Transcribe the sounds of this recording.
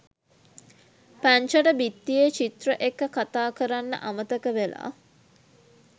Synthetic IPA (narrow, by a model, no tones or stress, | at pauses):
pæɲt͡ʃəʈəbit̪ːijet͡ʃit̪rəʔekːəkat̪aːkəɾanːə̰ʔamət̪əkəʋela̰ː